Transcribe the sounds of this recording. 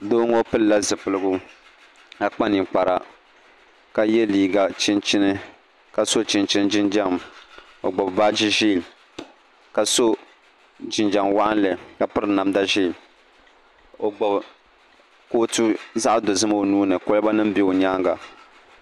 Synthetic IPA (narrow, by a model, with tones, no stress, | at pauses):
do˦ŋo˦pɨ˦lla˦zɨ˨pɨ˨lɨ˦ɡʊ˦ | ka˨k͡pa˦ni˨k͡pa˨ɾa̰˨ | ka˦jɛ˦liː˨ɡa˨t͡ʃɪ˦nt͡ʃɪ˦nɨ˦ | ka˨so˦t͡ʃɪ˦nt͡ʃɪ˦n˦d͡ʒɪ˦nd͡ʒa˦m | o˨ɡ͡bɔ˨bba˦d͡ʒi˦ʒi˦˨m | ka˨so˦ | d͡ʒɪ˨nd͡ʒa˨mwa˦ʔa˦n˦lɨ˨ka˨pɨ˦ɾɨ˨na˨mda˦ʒi˦˨m | o˨ɡ͡bɔ˨b | koː˦tu˦za˦ʔdo˨zɨ˦ma˦o˨nuː˦nɨ˨ko˦lba˦nɨ˦m̩˦bi˦o˨ɲaː˦ŋɡa̰˨